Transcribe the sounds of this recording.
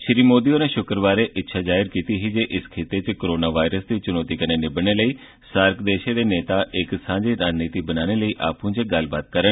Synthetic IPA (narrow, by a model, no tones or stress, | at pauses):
ʃɪɾiːmoːd̪iːoːneːʃʊkɾʋaːɾeːʔɪtːʃʰaːd͡ʒaːɪɾkiːt̪iːɦiːd͡ʒeːʔɪskʰeːt̪eːt͡ʃkoɾoːnaːʋaːɪɾəsd̪iːt͡ʃʊnɔːt̪iːkəneːnɪbəñeːləiː | saːɾkd̪eːʃeːd̪eːneːt̪aːʔɪksãːd͡ʒeːɾaːd͡ʒniːt̪iːbənaːneːləiːʔaːpũːt͡ʃeɡəlbaːt̪̚kəɾən